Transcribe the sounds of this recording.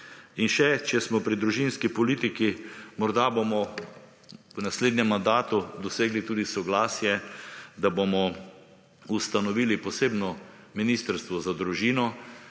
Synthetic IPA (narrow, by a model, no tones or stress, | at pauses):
inʃɛt͡ʃɛsmɔpɾid̪ɾuʒinskipɔliːt̪ikimɔɾd̪abomɔ | wnasleːd̪nʲɛmːand̪aːt̪ud̪ɔseːɡlit̪uːd̪isɔɡlaːsjɛd̪abomɔ | ust̪anɔʋiːlipɔseːbnɔ | minist̪əɾst̪ʋɔzad̪ɾuʒiːnɔ